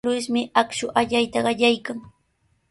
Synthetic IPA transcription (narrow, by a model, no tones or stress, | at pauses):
wɪsmɪakʃʊʔaʎajt̪aɢɑʎajkaŋ